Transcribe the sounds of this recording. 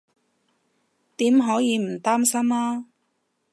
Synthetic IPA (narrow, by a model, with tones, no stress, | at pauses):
t̪iː˨˥mɦɔː˨˥jiː˨˧m̩˨˩t̪aː˥msɐ˥maː˥